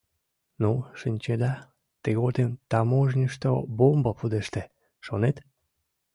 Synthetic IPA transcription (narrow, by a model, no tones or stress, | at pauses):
nuʃɨnʲt͡ɕed̪ɑ | t̪eɣot̪emt̪amoʒnʲiʃt̪obombəpud̪eʃt̪e | ʃonet̪